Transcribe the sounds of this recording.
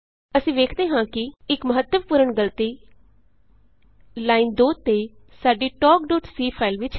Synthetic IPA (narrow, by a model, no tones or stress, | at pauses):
əsĩːʋeːkʰd̪eːɦãːkɪɪkməɦət̪ːəʋpuːɾəɳɡəlt̪iː | laːiːnd̪oːt̪eː | saːɖiːʈɔːkɖoːʈsiːpʰaːilʋɪt͡ʃ